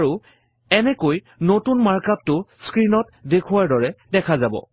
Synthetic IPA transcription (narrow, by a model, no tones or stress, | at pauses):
aɹu | ɛnɛkoj | notunmaɹkap̚tʊskɹinɔtdekʰʊwaɹdɔɹɛdɛkʰazabɔ̰